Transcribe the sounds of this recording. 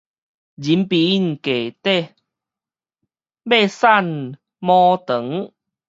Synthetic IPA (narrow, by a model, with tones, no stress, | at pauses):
d͡ʑi˨˦mpi˨i˦˨nke˨˩t̪e˥˦˨ | be˥˧sa˥˧˨n | mɔ̃˦t̪ə˨˦ŋ